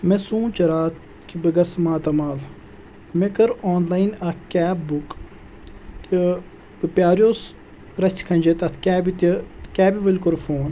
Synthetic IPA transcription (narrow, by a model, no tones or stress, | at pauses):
mesũːt͡ʃɐɾaːt̪̚ | kibɨɡɐsmaːt̪ɐmaːl | mekɐɾoːnlaːjnɐkaːbuk | t̪ | ɨpjaːɾjoːs | ɾɐsʲt̪ʲkʰɐnʲd͡ʒet̪ɐt̪ʰkʲaːbit̪kʲaːbʲiʋɐlʲkoɾfoːn